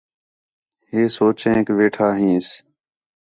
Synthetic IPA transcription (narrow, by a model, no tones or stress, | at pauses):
ɦeːsoːt͡ʃẽːkʋeːʈʰaːɦĩːs